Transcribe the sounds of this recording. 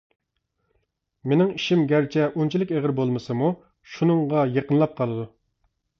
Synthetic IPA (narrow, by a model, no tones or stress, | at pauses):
menɪŋiʃimɡʲæɾt͡ʃʰɛʔunt͡ʃʰilˠɪkʲeʁɪɾbolˠmɨsɨmu | ʃunɨŋʁɑjeqənlˠɑp̚qʰɑlˠɨd̪u